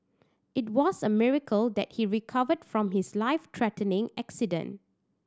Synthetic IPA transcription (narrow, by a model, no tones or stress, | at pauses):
ʔɪt̚wɔsəmɪɹəkʰəld̪ɛ̰t̚hiɹikʰavədfɹɔ̃mɦɪslaɪftʰɹɛtə̃nɪ̃ŋɛksidə̰̃n